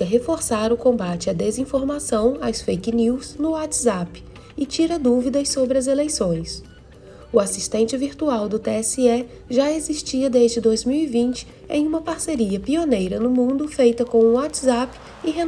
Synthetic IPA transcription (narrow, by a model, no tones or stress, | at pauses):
ɪɦefoɾsaɾʊkõmbat͡ʃɪɐd̪ezĩfoɾmasɐ̃w̃awsfejkniwznʊwat̪zap | ɪt͡ʃiɾɐd̪uvid̪ɐsːobɾɪɐzelejsõj̃s | ʊasiʃt̪ẽnt͡ʃɪviɾt̪uawd̪ʊt̪eɛsɪɛ | ʒaeziʃt͡ʃiɐd̪ezd͡ʒɪd̪ojzmiwivĩnt͡ʃɪ̥ | ḛ̃j̃ũmɐpaɾseɾiɐpionejɾɐnʊmũnd̪ʊfejt̪ɐkõw̃ũwat̪zap | ɪɦe